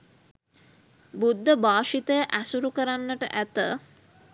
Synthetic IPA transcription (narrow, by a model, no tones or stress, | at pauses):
bud̪ʱːəbaːʃit̪əjəʔæsuɾukəɾanːəʈə̰ʔæt̪ə